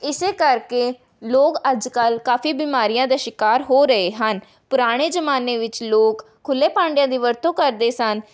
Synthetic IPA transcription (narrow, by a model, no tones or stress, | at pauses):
ɪseːkəɾkeː | loːkəd͡ʒkəlkaːfiːbiːmaːɾijãːd̪aːʃɪkaːɾɦoːɾəeːɦən | pʊɾaːɽ̃eːd͡ʒəmaːneːʋɪt͡ʃloːkʰːʊlːeːpãːɳɖɪjãːd̪iːʋəɾt̪õːkəɾd̪eːsən